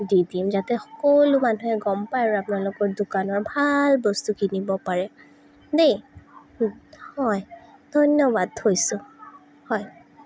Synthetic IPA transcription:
didimzatɛxɔ̥kolumanuɦɛɡɔmpajɹʊapʊnalʊkɔɹdukanɔɹbʱalbɔstukinibɔpaɹɛ | dej | hɔjdʱɔjnɔbadhojsʊ | hɔj

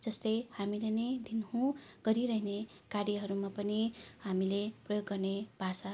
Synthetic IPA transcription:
d͡zʌst̪ʌjhamilenʌjd̪ʱinɦũɡ̥ʌɾiɾʌɦine | karjʌɦʌɾumapʌniɦamileprʌjoɡːʌrnebʱasa

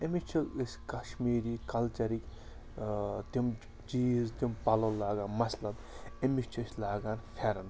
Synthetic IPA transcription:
emit͡ʃʰuisʲkɐʃmiːɾiːkɐlt͡ʃɐɾikʲ | t̪im | d͡ʒiːzt̪impɐlɐlaːɡaːnmɐsʲlɐd̪emit͡ʃʰusʲlaːɡaːnfʰeɾɐn

